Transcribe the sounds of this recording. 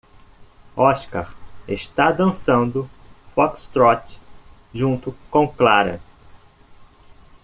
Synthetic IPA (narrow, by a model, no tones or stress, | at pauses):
ɔʃka̰ɾeʃt̪ad̪ɐ̃sɐ̃nd̪ʊfɔkst̪ɾɔt͡ʃ | ʒũnt̪ʊkõw̃klaɾɐ̰